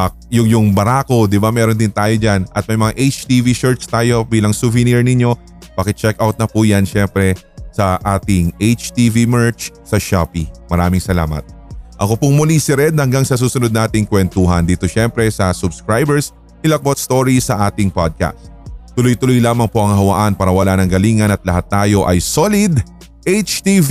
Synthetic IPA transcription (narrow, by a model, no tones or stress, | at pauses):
ɐk̚jʊŋjʊŋbɐɾaːko̞d̪ɪbamɛːɾond̪ɪnt̪aːjo̞d͡ʒanʔɐ̰t̪̚mɐjmɐŋaʔejt͡ʃt̪iviʃɛɹt̪st̪aːjo̞biːlɐŋsʊvɪniɹnɪɲːo̞ | pɐkɛt͡ʃɛk̚ʔawt̪̚nɐpujanʃɛmpɾɛ | sɐʔaːt̪ɪŋʔejt͡ʃt̪ivimɛɹt͡ʃsɐʃapimɐɾaːmɪŋsɐla̰ːmɐ̰t̪̚ʔɐkopʊŋmʊlisɪɾɛd̪̚hɐŋɡaŋsɐs̬uːsʊnod̪̚naːt̪ɪŋkwɛnt̪uɦɐnd̪iːt̪oʃɛmpɾɛsɐsʊbskɹajbɛɹs | ʔɪlɐk̚bot̪̚st̪o̞ɹisɐʔaːt̪ɪŋpad̪̚ka̰st̪t̪ːʊlojt̪ʊlojlaːmɐŋpo̞ʔɐŋɦɐwɐʔanpaːɾɐwɐlaːnɐŋɡɐliːŋɐnɐt̪̚lɐhat̪ːaːjo̞ʔɐjsolɪd̪ | ʔejt͡ʃt̪iv